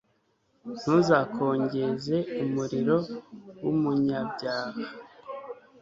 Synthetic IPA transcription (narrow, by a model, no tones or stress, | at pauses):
n̥huzaːkʰo̞ːɲɟe̞ze̞umuɾiɾo̞wumuɲabɟaːha